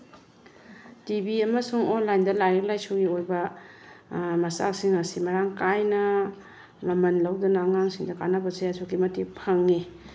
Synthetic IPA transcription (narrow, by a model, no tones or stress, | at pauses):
tibiɐmɐsuŋɔnlajndɐlajɾek̚lajsuɡiojbɐ | mɐsa̰ksiŋɐsimɐɾaŋkajnɐ | mɐmɐnlɐwdɐnɐːŋaŋsiŋdɐkanɐbɐseasʰokimɐtipʰɐŋːi